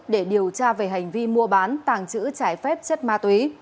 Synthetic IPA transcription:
ɗe˧˩ɗi˨˩əwt͡ɕaː˧ve˨˩ɦa˨˩jŋ̟vi˧mu˧əɓaː˨˦nt̪aː˧˩ŋt͡ɕɨ̰˧˥t͡ɕaː˧˩jfɛ˦˥p̚t͡ɕə˦˥t̚maː˧t̪wi˨˦

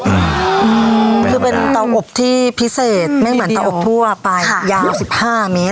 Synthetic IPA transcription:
ʔɯː˧ʔɯː˧kʰɯː˧pe˧nt̪a˧wʔo˨˩p̚t̪ʰiː˥˩pʰi˦˥seː˨˩t̪̚ma˥˩mɯ˩˦na˧ʔo˨˩ppʰu˥˩ɐ˨˩pa˧jjaː˧wsi˨˩p̚haː˥˩meː˦˥t̪̚

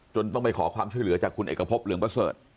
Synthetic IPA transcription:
t͡ɕo˧nt̪ɔ˥˩ŋpa˧jkʰɔː˩˦kʰwaː˧mt͡ɕʰu˥˩əjlɯ˩˦ɐt͡ɕaː˨˩kʰːu˧nʔḛː˨˩kːa˧pʰo˦˥p̚lɯ˨˦əŋpɾa˧sɤː˨˩t̪̚

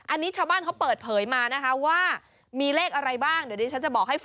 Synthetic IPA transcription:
ʔa˧nːiː˦˥t͡ɕʰaː˥˩wbaː˥˩nkʰa˦˥wpɤː˨˩t̪̚pʰɤː˩˦jmaː˧na˦˥kʰa˦˥waː˥˩ | miː˧leː˥˩k̚ʔa˧ɾa˧jbaː˥˩ŋdniː˦˩t͡ɕʰa˦˥nt͡ɕa˨˩bɔː˨˩k̚ha˥˩j

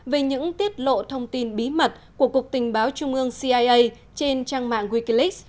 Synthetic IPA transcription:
ve˨˩ɲɨ̰˧˥ŋt̪i˦˥ət̚lo̰˧˨t̪ʰə˧wŋ͡mt̪i˧nɓi˨˦mə˨˩t̚ku˧˩əku˨˩k̚t̪ï˨˩ŋ̟ɓaː˨˦wt͡ɕʊ˧ŋ͡mʔɨ˧əŋsi˧ʔaː˧jʔə˧j | t͡ɕe˧nt͡ɕaː˧ŋma̰ː˧˨ŋwi˧ki˧li˦˥k̚

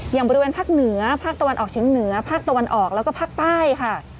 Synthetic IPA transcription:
jaː˨˩bɔː˧ɾi˧weː˧npʰaː˥˩k̚nɯ˩˦ɐpʰaː˥˩t̪a˧wa˧nʔɔː˨˩k̚t͡ɕʰiː˩˦ŋnɯ˩˦ɐpʰaː˥˩k̚t̪a˧wa˧nʔɔː˨˩k̚lɛː˦˥wkɔ˥˩pʰaː˥˩k̚t̪aː˥˩jkʰa˥˩

